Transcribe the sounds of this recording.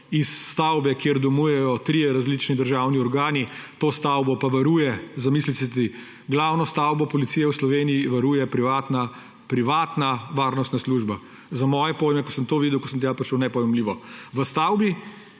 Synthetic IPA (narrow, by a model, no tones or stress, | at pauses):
isːt̪awbɛkjeɾd̪ɔmuːjɛjɔt̪ɾijɛɾazlit͡ʃnid̪əɾʒawniɔɾɡaːnit̪oːst̪awbɔpaʋaɾuːjɛzamiːslisɛt̪i | ɡlaːwnɔst̪awbɔpɔlit̪iːjɛwslɔʋeːnijiʋaɾuːjɛpɾiʋaːt̪na | pɾiʋaːt̪naʋaːɾnɔst̪nasluːʒba | zamɔːjɛpoːjmɛkɔsəmt̪oːʋid̪ɛwkɔsənt̪ɛjapɾiʃəwnɛpɔjɛmliːʋɔʋəst̪awbi